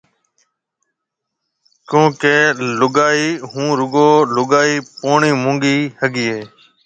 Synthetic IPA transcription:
kjõːkeːlʊɡaːiːɦũːɾʊɡoːlʊɡaːiːpoːɳiːmũːŋɡiːhəɡiːeː

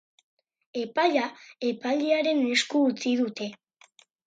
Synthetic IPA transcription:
e̞paʎae̞paʎiaɾe̞ne̞skuːt͡sið̞ut̪e̞

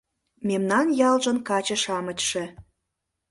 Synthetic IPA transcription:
memnɑnjɑlʒənkɑt͡ɕə̆ʃɑmət͡ɕʲʃĕ

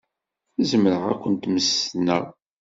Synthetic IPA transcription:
zəməɾəʁæ̰kʷːənt̪məsnæ

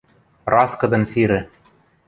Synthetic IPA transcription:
rɑskɤ̆d̪ɤ̆nsiɾɘ̆

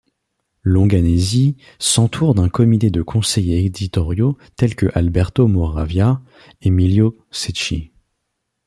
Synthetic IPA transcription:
lɔ̃ɡanezi | sɑ̃t̪ʰuʁd̪ɛ̃kɔmit̪ed̪əkʰɔ̃sɛjeːd̪it̪ɔʁjo | t̪ɛlkəʔalbɛʁt̪omɔʁavja | emiljo | set͡ʃi

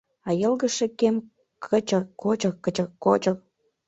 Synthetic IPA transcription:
ɑjəlɣə̆ʃekem | kʰət͡ɕəkot͡ɕə̆kːət͡ɕə̆kːot͡ɕə̆k̚

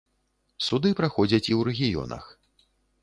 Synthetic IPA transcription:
sud̪ɨpɾaxɔd͡zʲɐt͡sʲiwɾɛɣʲijɔ̰nɐ̰x

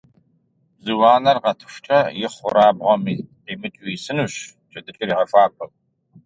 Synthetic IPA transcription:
bzɨwɑːnɐrʁɐtʰɨ̥ʃʷt͡ʃʼɐjɪχʷʊɾaːbʁɔmiː | eːmɨt͡ʃʼuisɨnuːɕ | t͡ʃʰʼɐdɨɬʼɐɾiːʁɐfaːpʰʼɐl

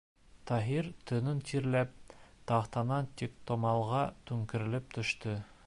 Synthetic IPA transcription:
t̪ɑɦiɾt̪ɵ̆nɵnt̪ʰiɾlæp̚t̪ɑχt̪ɑnɑnt̪ik̚t̪ŏmɑlˠʁɑt̪ʉŋkɘ̆ɾɘ̆lɘp̚t̪ʰɵ̆ʃt̪ɵ

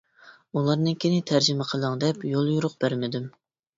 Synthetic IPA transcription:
ulˠɑɾnɨŋkʲʰenɪt̪ʰæɾd͡ʒɪmɛqʰəlˠəŋd̪ɛpjolˠjuɾʊq̚b̥æɾmɪd̪ym

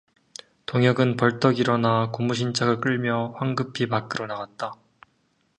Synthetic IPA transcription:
toŋjʌɡɯnpʌɭt͈ʌɡiɾʌnakumuɕ̬ʰint͡ɕʰaɡɯɭk͈ɯɭmjʌɸwaŋɡɯpʰipak͈ɯɾonaɡat̚t͈a

